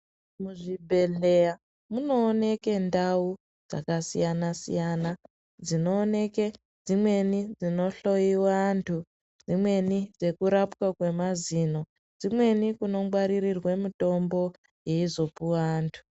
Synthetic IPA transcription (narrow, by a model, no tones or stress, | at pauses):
muʐibʱe̞ɮe̞ja | muno̞ːne̞ke̞ndau | d͡za̰kasḭjanasḭjana | d͡zino̞ːne̞ke | d͡zimwe̞nid͡zino̞ɬo̞jiwantʰu | d͡zimwe̞nid͡ze̞kuɾapwakwe̞mazino̞ | d͡zimwe̞nikuno̞ɡwaɾirirwe̞muto̞mbo̞ | jeizo̞puwaːntʰu̥